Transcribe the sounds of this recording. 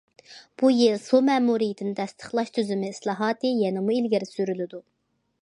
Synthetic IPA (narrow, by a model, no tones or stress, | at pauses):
b̥ujilˠsomɛːmuɾijit̪ʰɪnɪt̪ʰɛst̪ʰə̥χlˠɑʃt̪ʰyzɪmɪːslˠɑːɦɑːt̪ɨjɛnɪmuilɡʲɪɾsyɾylɪd̪u